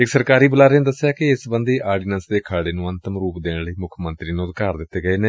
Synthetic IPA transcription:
ɪksəɾkaːɾiːbəlaːɾeːnd̪əsːjaːkɪɪsbənd̪iːʔaːɾɖiːnənsd̪eːkʰaːɽeːnũːənt̪əmɾuːpd̪eːɳləiːmʊkʰmənt̪ɾiːnũːt̪kaːɾd̪ɪt̪ːeːɡəeːneː

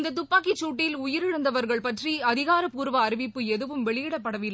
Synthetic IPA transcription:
nd̪ɐt̪̬ʊpːaːk̬it͡ʃːuːʈːɪlʊjɪɾɪɻɯnd̪ɐʋɐɾɣɐɭpɐʈriɐðɪɣaːɾɐpuːɾʋɐːɾɪʋɪpːɯɛðɯʋɯmʋɛɭɪjɪɽɐpːɐɽɐʋɪlːɐ

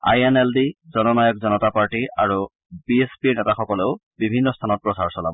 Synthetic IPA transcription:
a̰jeneldizɔnɔnajɔkzɔnɔtapaɹʈiʔa̰ɹu | biespinɛtaxɔkɔleʊbibʱinːɔstʰanɔt̚pɹɔsaɹsɔla̰

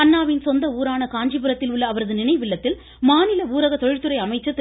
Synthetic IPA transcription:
ɐnːaːʋɪnsɔnd̪ɐuːɾaːnɐkaːɲd͡ʒipɯɾɐt̪ːɪlʊɭːɐːʋɐɾɐðɯnɪnɐɪʋɪɭːɐt̪ːɪl | maːnɪlɐuːɾɐɣɐt̪ɔɻɪrt̪ːɯɾɐɪɐmɐɪt͡ʃːɐt̪ːɪ

